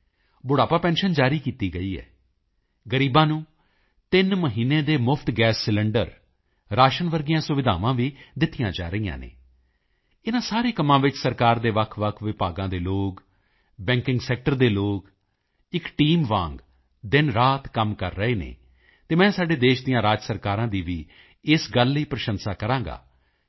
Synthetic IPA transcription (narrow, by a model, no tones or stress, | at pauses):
bʊɽaːpaːpɛ̃ːnʃənd͡ʒaːɾiːkiːt̪iːɡəiːɛ̰ː | ɡəɾiːbãːnũː | t̪ɪnməɦiːnːeːd̪eːmʊpʰt̪ɡɛːsːɪləɳɖəɾ | ɾaːʃənʋəɾɡɪjãːsʊʋɪd̪ʱa̰ːʋãːʋiːd̪ɪt̪ːɪjãːd͡ʒaːɾəijã̰ːnḛ̃ː | ɪnãːsaːɾeːkəmːãːʋɪt͡ʃsəɾkaːɾd̪eːʋəkʰʋəkʰʋɪpaːɡãːd̪eːloːk | bɛ̃ːŋkɪŋɡsɛːk̚ʈəɾd̪eːloːk | ɪkʈiːmʋãːŋɡ | d̪ɪnɾaːt̪kəmkəɾːəeːnḛː | t̪eːmɛ̃ːsaːɖeːd̪eːʃd̪ɪjãːɾaːd͡ʒsəɾkaːɾãːd̪iːʋiː | ɪsɡəlːiːpɾəʃənsaːkəɾãːŋɡa̰ː